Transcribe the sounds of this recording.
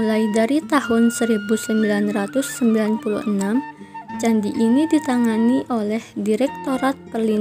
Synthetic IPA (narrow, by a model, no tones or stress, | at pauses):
ulaidaɾit̪ahʊnsəɾibusəmbilanrat̪ʊsːəmbilanpulṵhənam | t͡ʃandiʔinidit̪aŋaniʔolɛhdiɾɛk̚t̪oɾat̪̚pərli